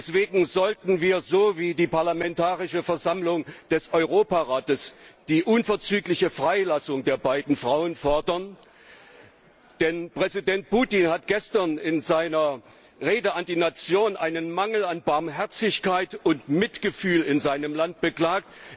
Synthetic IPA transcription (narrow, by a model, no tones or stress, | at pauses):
ɛsv̥eːɡŋ̩zɔltn̩viːɐzoːviːdiːpaɐlamɛntaːʁɪʃəfɛɐzamlʊŋd̥ɛsɔʏʁoːpaʁaːtəsd̥iːʔʊnfɛɐt͡syːklɪçəfʁ̥aɪlasʊŋdeːɐbaɪdn̩fʁ̥aʊənfɔɐdɐn | d̥ɛnpʁ̥ɛzidɛnt̚puːtinhatɡ̥ɛstɐnɪnzaɪnɐ | ʁeːdəʔandiːnat͡sjoːnʔaɪnənmaŋl̩anbaɐmɦɛɐt͡sɪçkaɪtʊntmɪtɡ̥əfyːlɪnzaɪnəmlant̚b̥əkl̥aːkt